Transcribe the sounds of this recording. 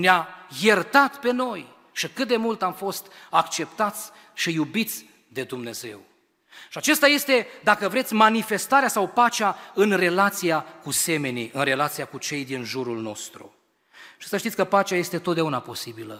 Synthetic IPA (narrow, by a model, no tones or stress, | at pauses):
neajert̪at̪pe̞no̞j | ʃikɨt̪̚d̪e̞mult̪amfo̞st̪akt͡ʃe̞pt̪at̪sʲ | ʃijubit̪sʲ | d̪e̞d̪umne̞ze̞w | ʃiat͡ʃe̞st̪aje̞st̪e̞d̪akəvɾe̞t̪sʲmanife̞st̪aɾeasawpat͡ʃeaɨnre̞lat̪sijakuse̞me̞niɨnre̞lat̪sijakut͡ʃe̞jd̪inʒuɾulno̞̰st̪ɾṵ | ʃi̥səʃt̪it̪ʲkəpat͡ʃaje̞st̪e̞t̪ot̪̚d̪eaunapo̞sibilə